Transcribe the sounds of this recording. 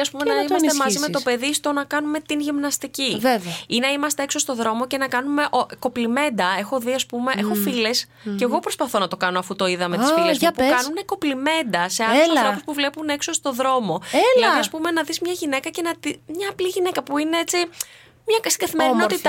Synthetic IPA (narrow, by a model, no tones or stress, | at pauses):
ɐspumenɐɐiɐsnt̪emɐzsime̞t̪o̞pe̞ðist̪o̞nɐkɐnume̞t̪inʝimnɐst̪icivevɐinɐimɐst̪e̞ekso̞st̪o̞ðɾo̞mo̞ce̞nɐkɐnume̞ʔoko̞plime̞nd̪ɐe̞xo̞ðiɐspume̞ʔexo̞file̞s | ce̞ɣo̞pɾo̞spɐθo̞nɐt̪o̞kɐnoɐfut̪o̞iðɐme̞t̪isffilespukɐnune̞ko̞plime̞nd̪ɐse̞ɐlɾopuspuvle̞pune̞kso̞st̪o̞ðɾo̞mo̞lɐðiɐspume̞nɐðizmɲɐʝine̞kɐce̞nɐt̪imɲɐːpliʝine̞kɐpuine̞et͡si | mɲɐst̪iɡɐθimeɾinoot̪it̪